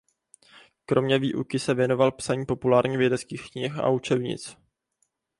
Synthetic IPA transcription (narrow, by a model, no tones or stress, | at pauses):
kɾʔo̞mɲɛvḭːʔṵkɪsɛvjɛno̞valpsaɲiːpo̞pulaːɾɲivjɛdɛt͡skiːxkɲɪxa̰ut͡ʃɛbɲɪ̰t͡s